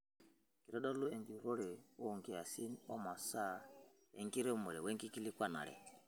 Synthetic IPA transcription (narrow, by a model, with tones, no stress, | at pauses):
ki˨ɾɛ˦dɔ˦lu˦ɛ˨ŋdi˨ɾɔ˦ɾɛ˨wɔ˦˨ŋɡi˨a˨si˦nɔ˦ma˨sa˦ | ɛ̰˨ŋɡi˦ɾɛ˦mɔ˨ɾɛ˨wɛ˦ŋki˦ki˦li˦kwa˦na̰˨ɺɛ̰˨